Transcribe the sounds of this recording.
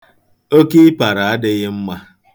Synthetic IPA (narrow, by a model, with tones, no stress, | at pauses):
o˦ke˦i˦pa˨ɾa˨a˦dɪ˦ɣɪ˦m̩˦ma˦